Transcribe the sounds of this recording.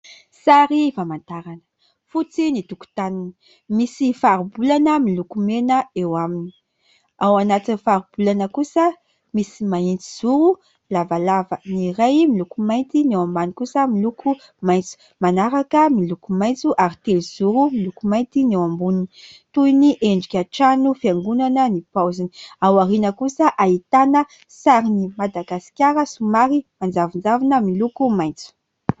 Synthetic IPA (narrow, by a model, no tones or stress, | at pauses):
saɾifamant̪aɾanə̥ | fut͡sinit̪uku̥t̪anini̥ | misifaɾibulanəmilukumenəewamini̥ | awanat̪inifaɾub̥ulanəkusə | misimaint͡siz̥uɾu | lavalavəniɾajmilukumajnt̪inewambanikusəmilukʰu | majnt͡su̥ | manaɾakəmilukumajnt͡suʔaɾit̪eliz̥uɾumilukumajnt̪inewambuninit̪uiniʔeɳɖ͡ʐikʲaʈ͡ʂanufiaŋɡunanənipawzini̥awaɾinəkusəʔait̪anə | saɾinimad̪aɡasi̥kʲjaɾəsumaɾimand͡zavind͡zavinəmilukumajnt͡su̥